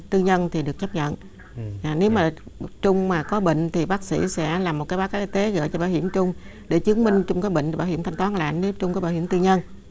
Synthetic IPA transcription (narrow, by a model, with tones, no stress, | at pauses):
t̪ɨ˧ɲə˧nt̪ʰi˨˩ɗɨ˨˩ək̚t͡ɕa˦˥p̚ɲə̰˧˨nː˨˩ | ne˨˦wmaː˨˩t͡ɕʊ˧ŋ͡mmaː˨˩kɔ˨˦ɓḛ˧˨ŋ̟t̪ʰi˨˩ɓaː˦˥k̚sḭ˧˩˥sɛ̰˧˥laː˨˩mo˨˩t̚kaː˨˦jɓːkaː˨˦˥ʔi˧t̪e˨˦ɣə̰ː˧˨t͡ɕɔ˧ɓaː˧˨whi˧˩əmt͡ɕʊ˧ŋ͡m | ɗe˧˩t͡ɕɨ˨˦əŋmï˧ŋ̟t͡ɕʊ˧ŋ͡mkaː˨˦jɓḛ˧˨ŋ˧˩ɓaː˧˨whi˧˩ət̪ʰa˧ŋt̪waː˨˦nla̰ː˧˨nne˨˦t͡ɕʊ˧ŋ͡mkaː˨˦ɓaː˧˨wi˧˩əmt̪ɨ˧ɲə˧n